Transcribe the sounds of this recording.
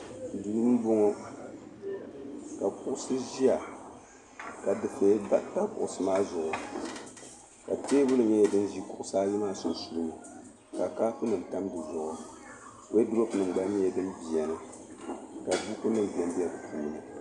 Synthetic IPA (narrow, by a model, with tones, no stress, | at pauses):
du˨nu˦n˦bo˦ŋo˦ | ka˨kʊ˦ʔʊ˦sɨ˦ʒi˦a˨ | ka˨dɨ˨fe˨˦ba˦ta˦bʊ̰˨ʔʊ˨sɨ˨maː˦zʊ˨ʔʊ˨ | ka˨teː˦bʊ˦lɨ˨ɲɛ˦jɛ˨dɨ˦n˦ʒi˦kʊ˨ʔʊ˦saː˦li˦maː˦so˨su˦lɨ˦nɨ˨ | ka˨kaː˦fɨ˦nɨ˨mta˦mbɨ˨zʊ˨ʔʊ˨ | wʔe˦dɾo˦pnɨ˨ŋ͡m̩˨ɡ͡ba˦ɲ˦ɛ˨dɨ˦mbi˨ɛ˨nɨ˨ | ka˨bu˦ku˦nɨ˦m˨bɛ˦m˦bi˦ɛ˦bɨ˨pʰuː˦˨m˨nɨ˨